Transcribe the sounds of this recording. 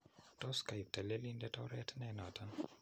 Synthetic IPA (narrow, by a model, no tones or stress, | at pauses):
tɔskajp̚tɛlelindɛtɔɾɛtnɛnatan